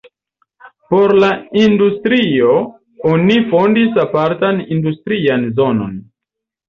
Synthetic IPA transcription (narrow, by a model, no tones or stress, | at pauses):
po̞ɾlaindustɾio̞ | onifo̞ndisapaɾtanindustɾianzo̞no̞̰n